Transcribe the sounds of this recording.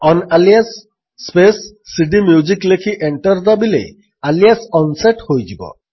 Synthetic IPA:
ɔnalijasː | pesː | iɖimjud͡ʒiklekʰiʔeɳʈɔɾd̪abilḛ | aliasɔnseʈhojd͡ʒibɔ̰

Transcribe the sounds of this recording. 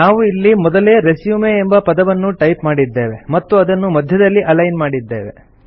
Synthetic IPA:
naːʋuilːimɔd̪ɐle̞ːɾesjumeːmbɐpɐd̪ɐʋɐnːuʈɐjpmaːɽid̪ːe̞ːʋe̞mɐt̪ːuɐd̪ɐnːumɐd̪ʱjɐd̪ɐlːiʔɐlɐjnmaːɽid̪ːe̞̰ːʋe̞̰

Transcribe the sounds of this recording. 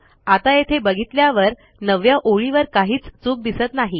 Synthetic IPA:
at̪ajet̪ʰebəɡʱit̪ljaʋəɾ | nəʋjaʔoɭiʋəɾkaɦiːt͡st͡suːk̚d̪isət̪naɦi

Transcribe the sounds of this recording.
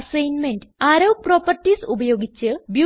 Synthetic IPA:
sɐjnmenɖɨaːɾɐwproːpɐrʈːisubɐjo̞ːɡit͡ɕːɨbju

